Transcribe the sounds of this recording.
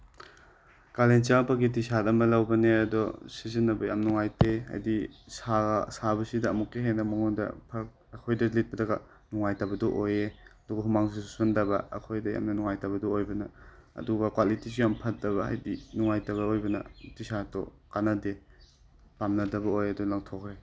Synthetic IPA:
kalent͡ʃaŋpɐɡitisatɐmbɐlɐwbɐneɐdɔsizɐnːɐbɐja̰mnuŋajtea̰jdisaɡsabɐsidɐːmukːeɦenɐmɐŋundɐ̰pʰɐk̚ɐkʰojdɐlit̚pɐdɐɡɐ | nuŋajtabɐdɔʔojeɐdɔɡɐɦumaŋsisusundɐbɐ̰ːkʰojdɐja̰mnɐnuŋajtabɐdɔojbɐnɐɐ̰duɡɐkwalitis̬ujampʰɐt̚dɐβɐɦa̰jdinuŋajtɐβɐojbɐnɐ̰tisatɔ̰ | kanɐde | pamnɐdɐbɐojɐdɔlaŋtʰɔkʰɾe

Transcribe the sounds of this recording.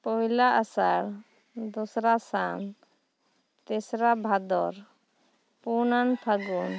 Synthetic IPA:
pɔɦilaʔasaɾ | d̪usɾasa̰n | t̪esɾabʱad̪ɔɾ | punanpʰaɡun

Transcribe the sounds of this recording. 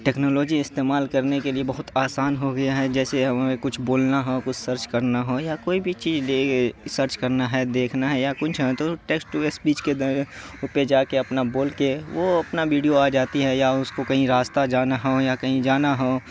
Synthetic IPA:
ʈeːknoːloːd͡ʒiɪst̪eːmaːlkɐɾnekeliebɐɦʊt̪aːsaːnɦoɡɐjaɦɛd͡ʒɛːseɦɐmaekʊt͡ʃʰboːlnaɦɛkʊt͡ʃʰsəɾt͡ʃkɐɾnaɦojakoːibʱit͡ʃiːzleːesəɾt͡ʃkɐɾnaɦɛd̪eːkʰnaɦɛjakʊt͡ʃʰɦɛ̃t̪oʈeːksʈuespiːt͡ʃked̪uped͡ʒaːkeɐpnaboːlkeʋoɐpnaʋiːɖijoaːd͡ʒaːt̪iɦɛjaʊskokɐɦĩɾaːst̪ad͡ʒaːnaɦojakɐɦĩd͡ʒaːnaɦo

